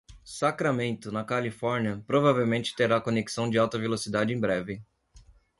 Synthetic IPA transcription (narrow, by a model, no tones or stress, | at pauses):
sakɾamẽnt̪ʊnɐkalifɔɾniɐpɾovavewmẽnt͡ʃɪ̥t̪eɾakoneki̥sɐ̃w̃d͡ʒɪawt̪ɐvelosid̪ad͡ʒɪẽj̃bɾɛvɪ